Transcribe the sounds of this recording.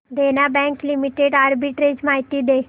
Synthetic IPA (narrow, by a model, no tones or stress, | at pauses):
d̪eːnabɛ̃ːŋklimiʈeɖaːɾbiʈɾed͡ʒmaːjt̪id̪eː